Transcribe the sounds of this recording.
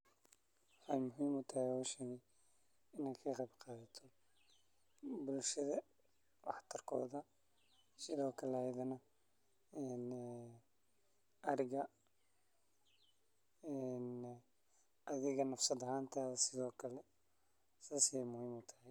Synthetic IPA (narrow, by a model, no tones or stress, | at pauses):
wħɑjmʊɦiːmʊt̪ʰɐhɛjɔːʃɛːɣɛj | ɪnɛjkʰɐqɑjbqɑːðɐt̪ʰɔ | bʊlʃɐðɐ | wɑħt̪ʰɐrkʰɔ̰ːðɐ | sɪðɔːkʰɐlɛhɛjðɐnɐ | ɛːn | ʔɐɾɪɣɐ | ɛn | ɐðɪɣɐnɐfsɐðɐɦaːnt̪ʰaːɐsɪðɔːkʰɐlɛ | sasɪɛjmʊhiːmʊt̪ʰɐ̥hɛj